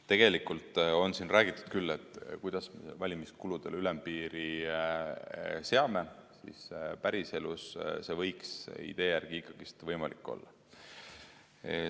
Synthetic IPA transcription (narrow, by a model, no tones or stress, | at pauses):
t̪e̞ɡ̥e̞likˑult̪ˑo̞nsinræːɡ̥it̪ːˑu̥d̪̥kylːe̞t̪ːˑkujd̪̥ɑsmevɑlʲimiskulud̪̥e̞lylempiːɾi | se̞ɑme̞sḭspæɾise̞lusse̞vɤ̞jksḭd̪e̞ːjærɡ̥iikːˑɑɡ̥ist̪vɤjmɑlikːˑo̞̰lːɑ̰